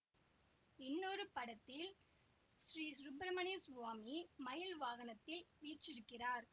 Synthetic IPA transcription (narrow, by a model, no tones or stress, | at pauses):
ɪnːɔɾɯpɐɽɐt̪ːɪl | ʃɾiːsɾʊbɾɐmɐniːsʊʋaːmimɐjɐlʋaːɣɐnɐt̪ːɪlʋiːt͡ʃːɪɾɯkːɪraːɾ